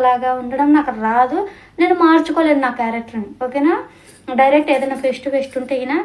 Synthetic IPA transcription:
laːɡaːuɳɖɐɽɐmnaːkɐɾaːd̪u | ne̞ːnːumaːɾt͡ʃukoːle̞ːd̪unaːkːkːjaːɾek̚ʈɐɾɐnioːkejnaː | ɖɐjɾek̚ʈeːd̪ɐjnaːpʰesʈupʰesʈuɳʈeɐjinaː

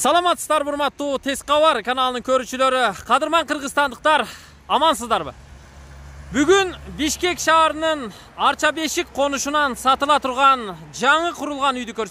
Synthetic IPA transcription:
sɑlˠɑmɑt̪ːsəzd̪ɑɾbʊɾmɑt̪ːut̪ʰe̞sqɑwɑɾkʰanalˠənəŋkʲʰɵɾɪʃɪle̞ɾɪqʰɑd̪əɾmɑɴqʰəɾʁəzt̪ɑnd̪əq̚t̪ɑɾ | ɑmɑnsəzd̪ɑɾbə̰ | bʏɡʲɪnbɪʃkʲe̞kʃɑɾənəɴ | ɑɾt͡ʃɑbe̞ʃɪk̚qʰo̞nʊʃənɑnsɑt̪əlˠɑt̪ʰʊɾʁɑnʒɑɴəqʰʊɾəlˠʁɑnʏjd̪ɪkʲʰɵɾs

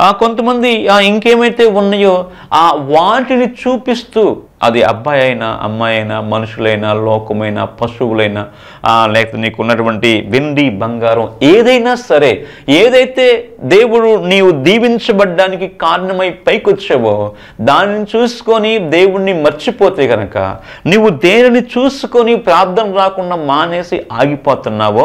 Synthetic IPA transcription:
ko̞nt̪ɐmɐnd̪iiŋkeːmɐjt̪e̞ːunːɐjoː | aːʋaːʈinit͡ʃuːpist̪uː | ɐ̰d̪iɐ̰bʱːaːjɐjna̰ʔɐ̰mːaːjɐjnamɐnuʂulɐjnaːlɔːkɐmɐjna̰pɐʃuwulɐjnaː | lɛːkɐt̪eːniːkunːɐʈuʋɐɳʈiʋeɳɖibɐŋɡaːɾɐmeːd̪ɐjnaːsɐɾe̞ː | eːd̪ɐjt̪e̞ːd̪e̞ːwuɽuniːwud̪iːʋiɲt͡ʃɐbɐɖːaːnikikaːɾɐɳɐmɐjpɐjkot͡ʃːeːʋoː | d̪aːninit͡ʃuːsu̥konid̪e̞ːwuɽnimɐɾt͡ʃipoːt̪e̞ːɡɐnɐkɐ̰ | niːʋud̪eːɾinit͡ʃuːsukonipɾaːb̚d̪ʱɐmɾaːkuɳɖamaːne̞ːsiʔaːɡipoːt̪unːaːʋoː

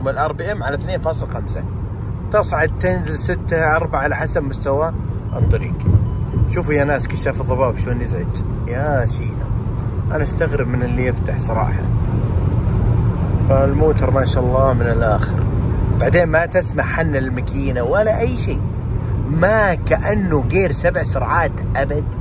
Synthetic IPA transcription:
mɪlʔɑɾˤbɪʔamːʕalaθneːnfɑːsˤɨlxamsa | t̪ɑsˤʕad̪̚t̪ɪnzɪlsɪt̪ːaɑɾˤbaʕalaħasabmʊst̪awaʔt̪ˤːɑɾḭːɡʃuːfjanaːskaʃaːfɨðˤːɑbɑːbʃloːnjɪzʕɪd͡ʒ | jaʃiːʔa̰ | ʔanaʔst̪aɣɾɪb̚mɪnɪlːijɪft̪aħsˤɑɾˤɑ̰ːħa̰ | falmoːt̪ɑɾˤmaːʃaʔɑlˤːɑːmɪnɪlʔaːxɪ̰ɾbaʕd̪eːnmat̪ɪsmaʕħanːalmakʰiːnawalaʔajːʃiː | makaʔanːuɣeːɾsabʕsʊɾˤʕaːt̪ʔabad̪

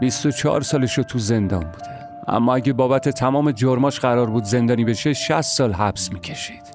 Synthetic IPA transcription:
bist̪o̞t͡ʃʰɒ̰ːɾsɒːleʃot̪ʰuze̞nd̪ɒ̰ːnbuːd̪̥e | ʔæ̰mːɒːæɟebɒːbæt̪ʰe̞t̪ʰæmɒːmed͡ʒoɾmɒːʃɢæɾɒːɾbuːd̪ze̞nd̪ɒːniːbe̞ʃeʃæst̪ːɒːlɦæb̥smiːcʰe̞ʃi̥ːd̪̥

